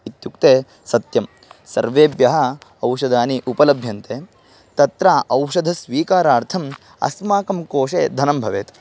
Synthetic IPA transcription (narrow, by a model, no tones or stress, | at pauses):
it̪juk̚t̪eː | sɐt̪jɐm | sɐ̰ɾʋeːbjɐɦɐɐwʂɐd̪ʱaːniʔupɐlɐbʱjɐnt̪eː | t̪ɐt̪ɾaːʔɐwʂɐd̪ʱɐsʋiːkaːɾaːɾt̪ʰɐm | ɐ̰smaːkɐmkoːʂeːd̪ʱɐnɐmbʱɐʋeːt̪